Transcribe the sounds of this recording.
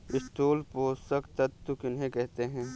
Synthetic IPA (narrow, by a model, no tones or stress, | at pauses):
ɪsʈoːlpoːsəkt̪ɐt̪ːukɪnɦẽkɛɦt̪eɦɛ̃ː